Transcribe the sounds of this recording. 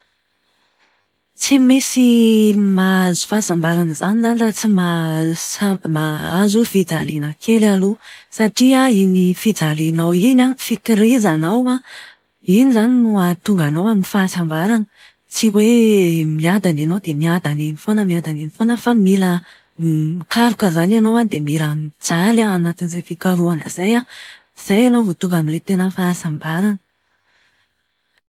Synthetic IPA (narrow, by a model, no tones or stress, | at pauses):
t͡simisimazu̥faːsambaɾanəzanizanilat͡simasamaazufid͡zalinəkʰelalusaʈ͡ʂiainifid͡zalinawinafikiɾizanawa | inizaninuat̪uŋɡanawamifasambaɾanə | t͡siwemiad̪aninowd̪emiad̪aninifonəmiad̪aninifonəfamilə | ikaɾukəzananowad̪emiɾamid͡zalaanat̪inizejfikaɾuanəzaja | z̥ajanowvot̪uŋɡamilet̪enəfaːsambaɾanə